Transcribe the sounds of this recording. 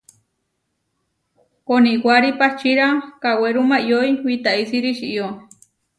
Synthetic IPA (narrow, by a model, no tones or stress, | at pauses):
koniɡwaɾipaht͡ʃiɾakaweɾumajojwit̪aisiɾiʃiʔjo